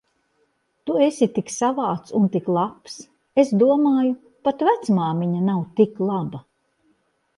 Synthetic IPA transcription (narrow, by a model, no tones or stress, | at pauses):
t̪uesʲit̪iksavaːt̪sunt̪iklˠaps | esd̪uɔmaːju | pat̪væt̪smaːmiɲanawt̪iklˠaba